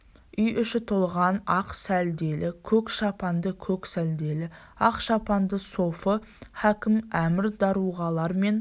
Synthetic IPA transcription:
ʏjʏʃɪt̪ʰolˠʁɑnɑqsæld̪e̞lʔɪkʲʰɵkʃɑpɑnd̪əkʲʰɵksæld̪e̞lɪ | ɑqʃɑpɑnd̪əso̞fəhækʲɪmæmɪɾd̪ɑɾuʁɑlˠɑɾme̞n

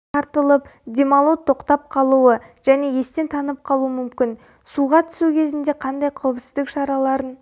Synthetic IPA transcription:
ɑɾt̪əlˠəpd̪ʲe̞mɑlˠot̪ʰːo̞qt̪ɑp̚qʰɑlˠuə | ʒ̥æne̞je̞st̪e̞nt̪ʰɑnəp̚qʰɑlˠuəmʏmkʲɪn | suʁɑt̪ʰʏ̥sukʲʰe̞zɪnd̪e̞qʰɑnd̪ɑjqʰɑwəpsɪzd̪ɪkʃɑɾɑlˠɑɾən

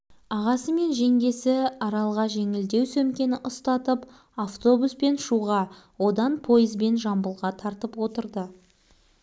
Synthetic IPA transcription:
ɑʁɑsəme̞nʒe̞ŋɡ̪ʲe̞sɪɑɾɑlˠʁɑʒe̞ŋɪld̪e̞wsɵmkʲe̞nɪʔʊst̪ɑt̪əp | aft̪o̞buspe̞nʃuʁɑ | wo̞d̪ɑnpʰo̞jəzbe̞nʒɑmbəlˠʁɑt̪ʰɑɾt̪əpwo̞t̪əɾd̪ə

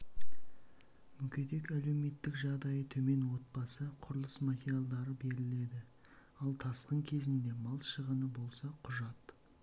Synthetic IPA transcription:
mʏkʲe̞t̪e̞kæle̞wme̞t̪ːɪkʒɑʁd̪ɑjət̪ʰɵme̞nwo̞t̪̚bɑsəqʰʊɾəlˠəsmat̪ʲeɾijalˠd̪ɑɾəbe̞ɾɪle̞d̪ɪ | ɑlˠt̪ʰɑsqəŋkʲʰe̞zɪnd̪e̞mɑlˠʃəʁənəbo̞lˠsɑqʰʊʒɑt̪

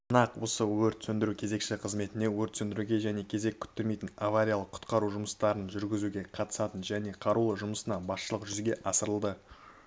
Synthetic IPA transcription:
mənɑqwo̞səwɵɾt̪sɵnd̪ɪɾukʲʰe̞ze̞kʃɪqʰəzme̞t̪ɪne̞wɵɾt̪sɵnd̪ɪɾuɡʲe̞ʒæne̞kʲʰe̞ze̞kʲʰʏ̥t̪ːeɾme̞jt̪ɪnavaɾʲijalˠəqʰːʊ̥t̪qɑɾuʒʊməst̪ɑɾənʒʏɾɡʲɪzuɡʲe̞qʰɑt̪ə̥sɑt̪ənʒæne̞qʰɑɾulˠəʒʊməsənɑbɑsʃəlˠəqʒʏzɡʲe̞ʔɑsəɾəlˠd̪ə

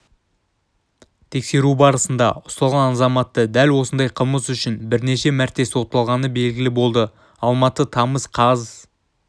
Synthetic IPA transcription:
t̪ʰe̞kse̞ɾubɑɾəsənd̪ɑ̰ʊst̪ɑlˠʁɑnɑnzɑmɑt̪ːəd̪ælwo̞sənd̪ɑjqʰəlˠməsʏʃɪnbɪɾne̞ʃe̞mæɾt̪e̞swot̪ːɑlˠʁɑnəbe̞lɡʲɪlɪbo̞lˠd̪ə | ɑlˠmɑt̪ət̪ʰɑməzqʰɑz

